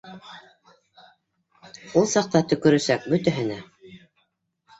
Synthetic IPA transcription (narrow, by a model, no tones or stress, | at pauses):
ulˠsɑq̚t̪ɑt̪ɵ̆kɵ̆ɾɵ̆sæk̚bɵt̪æɦɘ̆næ